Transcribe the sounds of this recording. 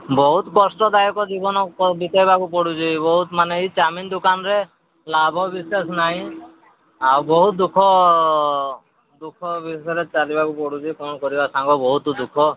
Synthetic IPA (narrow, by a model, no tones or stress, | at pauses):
bɔɦut̪kɔsʈɔd̪ajɔkɔd͡ʒibɔnɔkɔbit̪ɔjbakupɔɽud͡ʒibɔɦut̪maneit͡ʃamind̪ukanɔɾe | labʱɔbisesnaɦĩ | awbɔɦut̪̚d̪ukʰɔ | d̪ukʰɔbʱisesɔɾet͡ʃalibakupɔɽud͡ʒikɔnɔkɔɾibasaŋɡɔbɔɦut̪ɔd̪ukʰɔ